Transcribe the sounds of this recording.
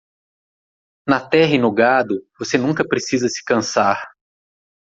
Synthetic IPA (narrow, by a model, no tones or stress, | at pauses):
nɐt̪ɛɦɐɪnʊɡad̪ʊvosenũkɐpɾesizɐsɪ̥kɐ̃saɾ